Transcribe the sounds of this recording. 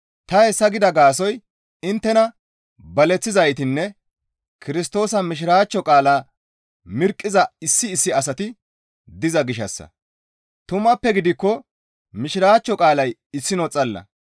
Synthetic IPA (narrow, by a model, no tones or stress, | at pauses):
t̪ɐhɛsːɐɡɪd̪ɐɡaːs̬ɔj | ɪnt̪ːɛnɐ | bɐlɛt͡sːɪzɐjt̪ɪnːɛ | kɪɾɪs̬t̪o̞ːsɐmɪʃ̬ɪɾaːt͡ʃːɔkʼaːlaː | mɪɾkʼːɪzɐɪsːɪːsːɪɐs̬ɐt̪ɪ | d̪ɪzɐɡɪʃɐsːɐ̰ | t̪ʊmɐpːɛɡɪd̪ɪkːɔ | mɪʃɪɾaːt͡ʃːɔkʼaːlɐjɪsːɪnɔt͡sʼɐlːɐ̰